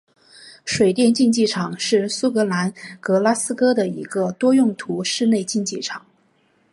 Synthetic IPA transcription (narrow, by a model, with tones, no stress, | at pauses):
ʂwe˨˩ɪt̪jɛ˥˧nt͡ɕi˥˧nt͡ɕi˥˩ʈ͡ʂʰɑ˨˩ŋʂɻ̩˥˩su˥kɤ˧˥la˧˥nkɤ˧˥la˥sɹ̩˥kɤ˥d̪ə˨i˧˥ɡə˧t̪wɔ˥jʊ˥˩ŋt̪ʰu˧˥ʂɻ̩˥˧ne˥˧ɪt͡ɕi˥˧nt͡ɕi˥˩ʈ͡ʂʰɑ˨˩˦ŋ